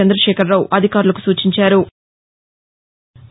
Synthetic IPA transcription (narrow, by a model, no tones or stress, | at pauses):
ɐnd̪ɾɐʃɛːkʰɐɾːɐwʔɐd̪ʱikaːɾulɐku̥suːt͡ʃiɲt͡ʃaːɾu